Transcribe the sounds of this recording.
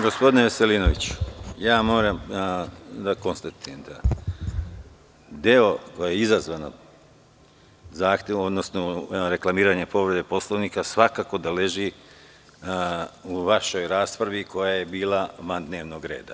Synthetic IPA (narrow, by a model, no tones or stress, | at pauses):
ɡospo̞d̪ineʋeseliːno̞ʋit͡ɕu̥jaːmo̞ːɾam | d̪ako̞nst̪at̪ujemd̪a | d̪eo̞kojajeizazʋano̰ | zaːxt̪jeod̪no̞snoɾe̞klˠamiːɾaɲe̞po̞ʋɾed̪epo̞slˠoʋnikasʋakaːko̞d̪ale̞ʒi | uʋaʃo̞jɾaːspɾaʋiko̞jaje̞biːlˠaʋand̪ne̞ːʋno̞ɡɾe̞ːd̪a̰